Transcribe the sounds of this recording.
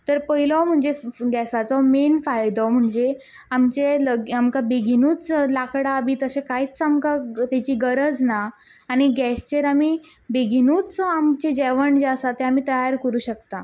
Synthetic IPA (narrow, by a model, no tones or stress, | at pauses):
t̪əɾpəɦilɔwm̤əɳd͡zeɡɛsat͡sɔmenfajd̪ɔwm̤əɳd͡ze | amt͡ɕeləamkabeɡʱinuːt͡slakɽaːbiːt̪əsẽkait͡st͡samkat̪et͡ɕiːɡəɾəd͡znaː | ɽ̃iɡɛst͡ɕeɾamiː | beɡʱinuːt͡samt͡ɕed͡ʑɛʋəɳd͡ʑeəsat̪eamiːt̪əjaɾkəɾuːɕəkt̪a